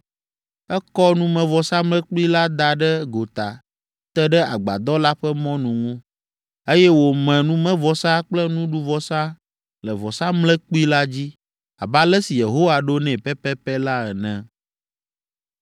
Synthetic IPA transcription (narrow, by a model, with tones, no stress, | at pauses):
ɛ˦kɔ˦nũ˦mɛ̃˨vɔ˨sa˦mlɛ̃˦k͡pu˦i˦la˦d̪a˨ɖɛ˦ɡo˨t̪a˨ | t̪ɛ˦ɖɛ˦a˨ɡ͡ba̰˨d̪ɔ˦la˦ɸɛ˦mɔ̃˦nũ˨ŋũ˦ | e˦jɛ˦wo˨mɛ̃˨nũ˦mɛ̃˦vɔ˨sa˦k͡plɛ˦nũ˦ɖu˦vɔ˨sã˦ | lɛ˨vɔ˨sa˦mlɛ˦k͡pu˦i˦la˦d͡ʑi˦ | a̰˨ba˦lɛ˦si˨je˨ɦo˦wa˨ɖo˦nɛ̃˨pɛ˦pɛ˦pɛ˦la˦ɛ˨nɛ̃˨